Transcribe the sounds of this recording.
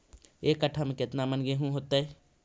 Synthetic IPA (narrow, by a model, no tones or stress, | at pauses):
eːkəʈʰəmkɪt̪namənɡeɦũɦoːt̪ae